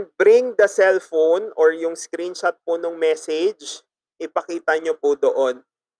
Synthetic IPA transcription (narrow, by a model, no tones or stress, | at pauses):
bɾɪŋd̪ɐsɛlfownoɹjʊŋskɾinʃɐt̪̚pʊnʊŋmɛsɛd͡ʒ | ʔɪpɐkiːt̪ɐɲopʊd̪oʔon